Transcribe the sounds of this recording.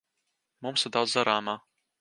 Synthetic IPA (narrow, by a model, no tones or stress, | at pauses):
mumsɪɾd̪awd̪zzaɾaːmaː